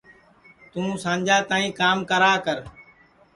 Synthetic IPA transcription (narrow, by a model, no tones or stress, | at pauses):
t̪ũːsãːɲd͡ʒaːt̪ãːĩːkaːmkəɾaːkəɾ